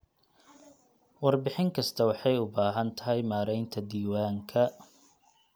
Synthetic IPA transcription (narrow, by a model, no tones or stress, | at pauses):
wɑrbɪħɪŋkʰɐst̪ʰɐwɑħɑjʊbaːɦɐnt̪ʰɐɦɛjmaːɾɛjnt̪ʰɐd̪iːwaːŋkʰɐ